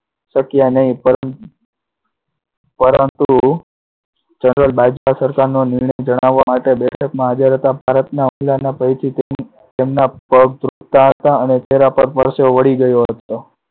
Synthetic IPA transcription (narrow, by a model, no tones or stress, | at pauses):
ʃəkjanəɦĩpə | pəɾənt̪u | d͡ʒənɾəlbad͡ʒʋasəɾkaɾnonɪɾɳəjd͡ʒəɽ̃aʋːamaʈebɛʈʰəkmãɦad͡ʒəɾɦət̪abʱaɾət̪naumlanapəjt͡ʃʰi | t̪emnapəɡ̚d̪ɾukt̪aɦət̪aənet͡ʃeɦɾapəɾpəɾseoʋəɽiɡəjoɦət̪o